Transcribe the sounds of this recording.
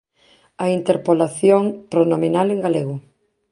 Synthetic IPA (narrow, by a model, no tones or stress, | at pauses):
aint̪eɾpolaθjoŋpɾonominaleŋɡaleɣʊ